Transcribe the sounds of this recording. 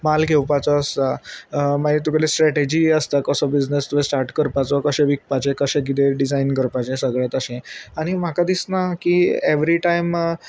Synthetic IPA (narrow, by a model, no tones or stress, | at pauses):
malkewpat͡sɔːst̪amaɦit̪ukəlesʈɾɛʈed͡ʑiəst̪akəsɔbid͡znəst̪ubesʈaɾʈkəɾpat͡sɔkəɕẽʋik̚pat͡ɕẽkəɕẽɡid̪eɖid͡zainkəɾpat͡ɕẽsəɡɭjat̪əɕẽaɽ̃im̤akad̪isnakiːeʋɾiʈajm